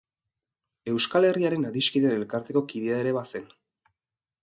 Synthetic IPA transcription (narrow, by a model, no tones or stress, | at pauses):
e̞wskale̞riaɾe̞naðiskiðenelkaɾt̪e̞ko̞kiðeaeɾe̞βase̞n